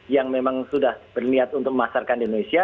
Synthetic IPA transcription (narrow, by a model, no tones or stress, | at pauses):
jaŋmemaŋsudahb̥ərniat̪̚unt̪ʊk̚məmasarkandinonesia